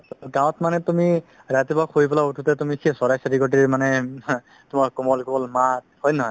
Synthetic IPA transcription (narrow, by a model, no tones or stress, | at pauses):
ɡãwɔ̃tmanɛtumi | ɹatibakoipɔlaotʰutɛtumikʰiɛsɔɹajsaɾiɡɔt̬iɹmanɛ | tʊmaɹkɔmɔlkɔbɔlmat̚hɔjnɔɦɔj